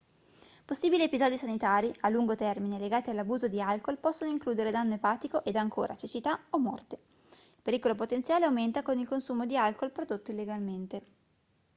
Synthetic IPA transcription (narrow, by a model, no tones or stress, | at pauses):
posːiːbiliepizɔːd̪isanit̪aːɾiʔalːuŋɡot̪ɛrmineleɡaːt̪ialːabuːzod̪ialkolpɔsːonoiŋkluːd̪eɾed̪anːoepaːt̪ikoʔed̪aŋkʰo̰ːɾʔat͡ʃet͡ʃit̪aomːɔ̰rt̪e̥ | ilpeɾiːkolop̬ot̪ent̪sjaːleawment̪akonilkonsuːmod̪ialkolpɾod̪ot̪ːoilːeɡalment̪e